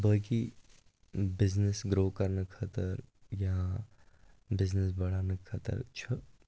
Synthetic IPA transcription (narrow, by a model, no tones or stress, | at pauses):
bəki | bɪznesɡɾoːkɐɾnəkʰɐt̪əɾjɐɦã | bɪznes̬bɐɽ̤aːnəkʰat̪ə̰ɾt͡ʃʰə